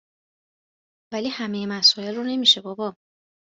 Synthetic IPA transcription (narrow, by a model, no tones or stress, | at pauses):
væliːhæme̞jemæsɔːe̞lrune̞miʃebɒːbɒ